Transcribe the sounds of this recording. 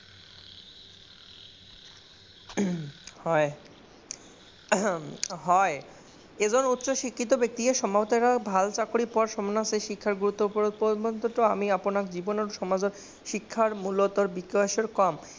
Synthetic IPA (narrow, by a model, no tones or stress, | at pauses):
hɔe | ɦɔe | ed͡ʑʱoɾut̪ːʃoʃikʰːit̪̬obek̚t̪ikeʃɔmat̪aɾabʱalt͡ɕakoɽipɔɾʃɔmonaseʃikʰːaɾɡuɾut̪ːopopobont̪oʈ̪oamiaponakd͡ʑibonaɾoʃɔmad͡ʑoɾ | ʃikʰːaɾmulot̪oɾbikːoaʃeɾkɔm